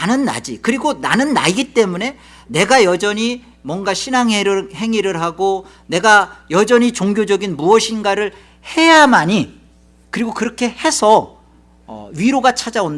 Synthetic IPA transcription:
anɯnːa̰d͡ʑikɯɾiɡona̰nɯnːa̰iɡit͈e̞mune̞ | ne̞ɡajʌd͡ʑʌɲi | mwʌnɡaɕʰinaŋɦeɾɯɦe̞ŋiɾɯɭɦaɡo | ne̞ɡajʌd͡ʑʌɲit͡ɕoŋɡjod͡ʑʌɡinmuʌɕʰinɡaɾɯɭ | he̞jamaɲi | kɯɾiɡokɯɾʌkʰe̞he̞sʰʌ̰ː | ɥiɾoɡat͡ɕʰad͡ʑaond

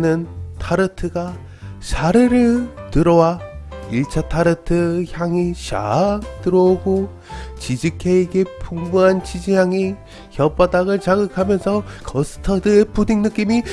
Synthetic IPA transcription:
nɯntʰaɾɯtʰɯɡa | ɕʰaɾɯɾɯɭtɯɾʌwaiɭt͡ɕʰatʰaɾɯtʰɯçjaŋiɕa̰k̚t͈ɯɾʌoɡo | t͡ɕid͡ʑɯkʰeeɡepʰuŋbuɦant͡ɕid͡ʑijaŋi | çjʌp͈adaɡɯɭt͡ɕaɡɯkʰamjʌnsʰʌkʌsʰɯ̥tʰʌdɯepudiŋnɯk͈imi

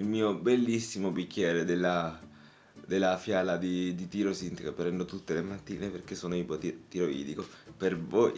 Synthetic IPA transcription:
ilmiːobelːisːimobikːɛːɾed̪elːa | d̪elːafjaːlad̪id̪it̪iɾosint̪ikapɾɛnd̪ot̪ut̪ːelemat̪ːiːneperk̟esːoːnoipot̪t̪iɾoḭːd̪ikopervoj

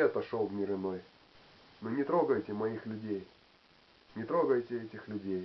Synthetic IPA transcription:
ɛt̪ɐʂolˠvmʲɪɾɪnoj | nɨnʲɪt̪ɾo̞ɡəjtʲɪmɐixlʲʉdʲej | nʲɪt̪ɾo̞ɡəjtʲɪɛtʲɪxlʲʉdʲej

